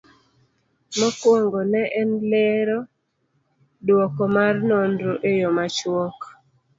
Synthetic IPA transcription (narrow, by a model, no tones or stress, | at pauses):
mɔkwoŋɡɔnɛʔɛnleɾɔ | dwɔkɔmarnɔndɾoʔejomat͡ʃwɔk